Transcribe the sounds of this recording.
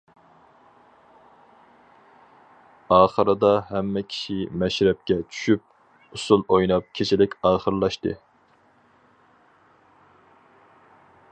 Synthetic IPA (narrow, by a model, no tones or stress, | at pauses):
ɑːχəɾɨd̪ɑɦɛmːɛkʲʰi̥ʃimɛʃɾɛp̚kʲɛt͡ʃʰy̥ʃyp̚ | usulˠojnɑp̚kʲʰet͡ʃʰilɪkʲɑːχəɾlˠɑʃt̪ɨ